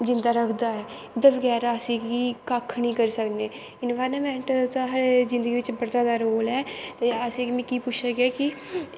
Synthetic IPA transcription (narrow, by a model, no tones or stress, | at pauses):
d͡ʒɪ̃nd̪aːɾəkʰd̪aːɦɛː | ɪd̪əbɡɛːɾaəsĩːɡiːkakʰnĩːkəɾisəkneː | ɪnʋaːjɾnamɛ̃ːɳʈd̪aɦaːɾezɪ̃nd̪əɡiːʋɪt͡ʃbəɾt̪aːd̪aːɾoːlɛːt̪eəsĩːɡmɛ̃kiːpʊt͡ʃʰsəkɛːkɪ